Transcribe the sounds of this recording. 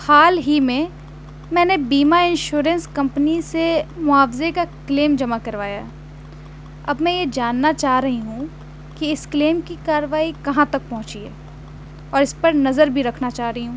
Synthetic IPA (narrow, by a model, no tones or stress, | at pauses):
xaːlɦimẽ | mɛ̃ːnebiːmaɪ̃nʃuːɾə̃nskɐ̃mpnisemʊaːfzekakleːmd͡ʒɐmakɐɾʋaːja | ɐbmɛ̃jed͡ʒaːnːat͡ʃaːɦɾɐɦiɦũ | kiɪskleːmkikaːɾəʋaːikɐɦãt̪ɐk̚pɔ̃ɦʊ̃t͡ʃiḛː | ɔːɾɪspɐɾnɐzəɾbʱiɾɐkʰnat͡ʃaːɾɐɦiɦũː